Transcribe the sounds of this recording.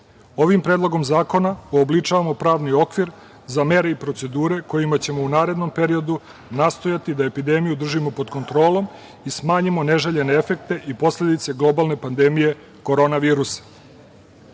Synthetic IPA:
o̞ʋimpɾed̪lˠo̞ɡo̞mzaːko̞naoːblit͡ʂaʋamo̞pɾaːʋnio̞kʋiɾ | zame̞ɾe̞ipɾo̞t̪se̞d̪uːɾe̞ko̞jimat͡ɕe̞mounaːɾe̞d̪no̞mpe̞ɾio̞d̪u | naːst̪o̞jat̪id̪ae̞pid̪e̞mijud̪r̩ʒimo̞po̞d̪ko̞nt̪ɾo̞ːlo̞m | ismaːɲimo̞ne̞ʒeʎe̞neefe̞k̚t̪e̞ʔipo̞sle̞d̪it̪se̞ɡlˠo̞balne̞pand̪e̞mije̞ | ko̞ɾo̞ːnaʋiːɾusḁ

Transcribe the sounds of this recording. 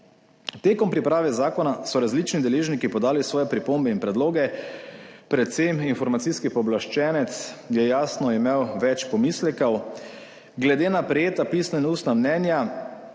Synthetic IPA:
t̪eːkɔmpɾipɾaːʋɛzaːkɔnasɔɾazlit͡ʃnid̪ɛleːʒnikipɔd̪aːlisʋɔːjɛpɾipoːmbɛinpɾɛd̪loːɡɛ | pɾɛt̪seminfɔɾmat̪siskipɔblaʃt͡ʃɛːnɛt̪sjɛjaːsnɔimewʋɛt͡ʃpɔmislɛkɐw | ɡlɛd̪eːnapɾɛjeːt̪apisnainuːst̪namnɛːnja

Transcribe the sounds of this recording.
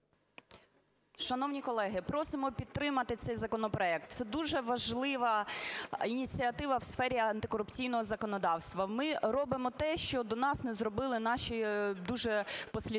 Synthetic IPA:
ʃɐnɔwnʲikɔlˠɛɦɪpɾɔsɪmɔpʲid̪̚t̪ɾɪmɐt̪ɪt̪sɛjzɐkɔnɔpɾɔɛk̚t̪̚t̪sɛd̪uʒɛʋɐʒlˠɪʋɐ | inʲit͡sʲiɐt̪ɪʋɐwsfɛɾʲiɐnt̪ɪkɔɾʊpt͡sʲijnɔɦɔzɐkɔnɔd̪ɑwst̪ʋɐmɪɾɔbɪmɔt̪ɛʃt͡ʃɔd̪ɔnɑsnɛzɾɔbɪlˠɪnɑʃʲid̪uʒɛpɔsʲlʲi

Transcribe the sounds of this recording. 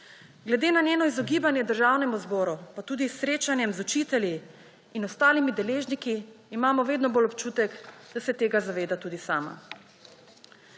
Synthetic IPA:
ɡlɛd̪eːnanʲjeːnɔizɔɡiːbanjɛd̪əɾʒaːwnɛmuzbɔːɾupat̪uːd̪isɾeːt͡ʃanjɛmzut͡ʃit̪ɛljiː | nɔst̪aːlimid̪ɛleːʒnikiːmaːmɔʋeːd̪nɔbolɔpt͡ʃuːt̪ɛkd̪asɛt̪eːɡazaʋeːd̪at̪uːd̪isaːma̰

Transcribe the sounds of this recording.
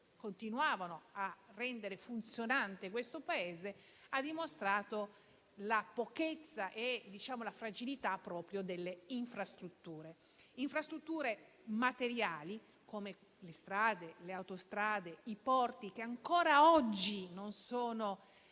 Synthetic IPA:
kont̪inuaːvanoarːɛnd̪eɾefunt̪sjonant̪ekwest̪opaeːzead̪imost̪ɾaːt̪o | lapoket̪sːaʔed̪it͡ʃaːmolafɾad͡ʒilit̪apːɾɔːpɾjod̪elːeiɱfɾast̪ɾut̪ːuːɾe | iɱfɾast̪ɾut̪ːuːɾe | mat̪eɾjaːli | koːme | lest̪ɾaːd̪eleawt̪ost̪ɾaːd̪eipɔrt̪ik̟eaŋkoːɾaɔd͡ʒːinonsoːno

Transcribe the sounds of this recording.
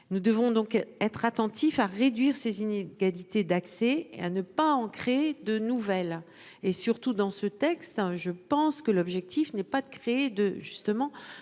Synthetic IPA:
nud̪əvɔ̃d̪ɔ̃kɛt̪χat̪ɑ̃t̪ʰifaʁed̪ɥiʁsezineɡalit̪ed̪aksɛḛa̰nəpaɑ̃kχeed̪ənuvɛl | esyʁt̪ud̪ɑ̃sət̪ɛkst̪ʒəpɑ̃skəlɔbʒɛk̚t̪ʰifnɛpad̪əkχeed̪əʒyst̪əmɑ̃

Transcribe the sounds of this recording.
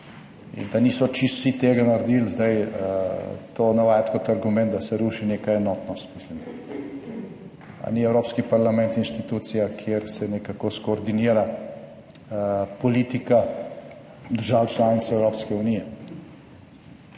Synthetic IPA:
ḭnd̪anisɔt͡ʃist̪sit̪eːɡanaɾd̪iːlzd̪aj | t̪oːnawajt̪kɔt̪aɾɡumɛnt̪d̪asɛɾuːʃineːkaɛnɔt̪nɔst̪mislim | a̰niɛwɾoːpskipaɾlamɛnt̪inʃt̪it̪uːt̪sijakʰjeɾsɛnɛkakɔskɔːɾd̪iniːɾa | pɔliːt̪ika | d̪əɾʒawt͡ʃlaːnit̪sɛwɾoːpskɛunijɛ

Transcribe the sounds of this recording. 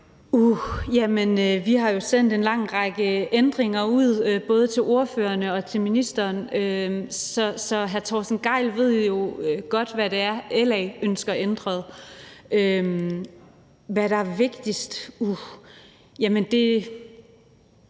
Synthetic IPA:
ujæmenøʋiɦɑ̈jo̝sen̰d̥enlɑ̈ŋ̰ʁɑ̈ɡ̥əʔend̥ʁeŋɐuð̰ˠb̥ɔ̽ːð̞ˠət͡sʰe̝lʔo̝ɐføːɐnəɒ̽t͡sʰe̝lminisd̥ɐːnømsɒ̽sɒ̽ɦæɐt͡sʰɒsn̩ɡ̥ɑ̈ɪ̰lʋe̝ð̞̰ˠjo̝øɡ̥ɒ̽d̥ʋæɾe̝æɐelɛɪønsɡ̥ɐend̥ʁɐð̩ˠʔøm | ʋæɾ̥ɑ̈æɐʋe̝ɡ̥d̥isd̥u | jæmənd̥e̝

